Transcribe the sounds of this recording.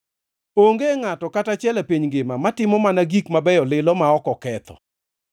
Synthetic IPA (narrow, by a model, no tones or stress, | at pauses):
oŋɡeŋatɔkatat͡ʃɛlapiɲŋɡɪmamatɪmɔmanaɡikmabɛjɔlɪlɔmaɔkɔkɛt̪ɔ̰